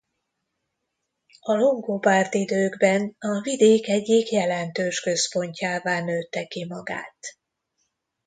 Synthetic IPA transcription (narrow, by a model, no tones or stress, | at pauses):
ɒlo̞ŋɡopaːrt̪id̪øːɡbɛnɒvid̪eːkɛɟːikjɛlɛnt̪øːʃkø̞spo̞ɲcaːvaːnøːt̪ːɛkimɒɡa̰ːt̪